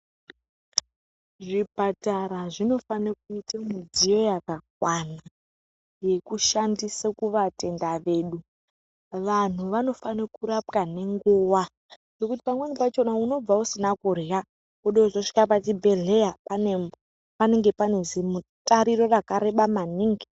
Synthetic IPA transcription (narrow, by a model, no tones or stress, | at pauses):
ʐipataɾaʐino̞fanek̚uitamud͡zijo̞jakak̚wana | je̞kuʃandisakuʋate̞ndaʋe̞ːɗu | ʋan̤uʋano̞fanekuɾapkane̞ŋɡuwa | ʐ̥o̞kuti̥pamwenipat͡ʃo̞nauno̞b͡vausinakureja | uɗozoʂi̥kapatibʱe̞ɮe̞japanem | pane̞ŋɡe̞panezimutʼaɾiɾo̞rakaɾe̞ɓamaniːŋɡi